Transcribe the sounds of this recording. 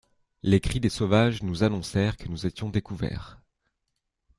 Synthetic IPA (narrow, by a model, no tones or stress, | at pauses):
lekχid̪esovaʒnuzanɔ̃sɛʁkənuzet̪jɔ̃d̪ekuvɛ̰ːʁ